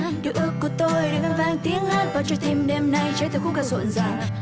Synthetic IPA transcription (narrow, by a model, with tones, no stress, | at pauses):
ɗɨ̰˨˧˨əʔɨ˧˦˥əkːu˧˩t̪o˧jɗa̰˧˩ŋaː˧nvaː˧ŋt̪i˨˦əŋla˦˥t̚vaː˨˩t͡ɕɔ˧t̪i˧mɗe˧mna˧jt͡ɕːt̪ʰɨ˨˩kxʊ˦˥kaː˧˩sṵ˧˨nzaː˨˩w